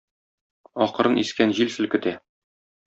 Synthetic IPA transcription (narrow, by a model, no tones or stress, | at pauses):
ɒqɤ̆ɾɤnʔiskænʑilsɘ̆lkɵ̆t̪æ